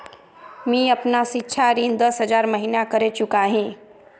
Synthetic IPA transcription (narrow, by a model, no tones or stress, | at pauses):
mĩəpnasitːʃʰaɾiːnd̪əsɦəd͡ʒaːɾməɦinakəɾet͡ʃʊkaɦĩː